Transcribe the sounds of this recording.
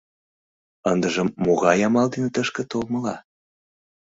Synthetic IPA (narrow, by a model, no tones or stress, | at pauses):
ənd̪əʒəmːoɣɑjɑmɑld̪inet̪əʃkə̆t̪olməlɑ̰